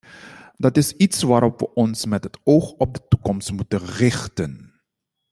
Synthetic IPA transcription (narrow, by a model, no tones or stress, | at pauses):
dɑtɪsitsʋaːɾɔpʋə̰ʔɔnsmɛtɦətowχɔb̚dətukɔmstmutənrɪχtən